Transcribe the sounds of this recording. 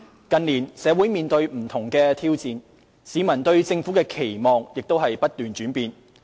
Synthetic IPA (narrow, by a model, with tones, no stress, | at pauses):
kɐ˨nliː˨˩nsɛː˨˧wuː˨˥jmiː˨nt̪ɵ˧ɥm̩˨˩t̪ʰʊ˨˩ŋkɛː˧t̪ʰiː˥wt͡siː˧n | siː˨˧mɐ˨˩nt̪ɵ˧ɥt͡sɪ˧ŋfuː˨˥kɛː˧kʰe˨˩jmɔː˨ŋjɪ˨k̚t̪o˥whɐ˨jpɐ˥t̚t̪yː˨˩nt͡ʃyː˨˥npiː˨˧n